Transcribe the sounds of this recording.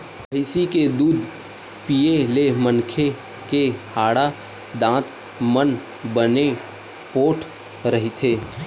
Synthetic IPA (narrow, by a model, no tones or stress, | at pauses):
pəɪsiked̪uːd̪ | pijelemənkʰe | kehaːɽa | d̪ãːt̪ | mən | bəne | poːʈʰ | ɾəɦit̪ʰeː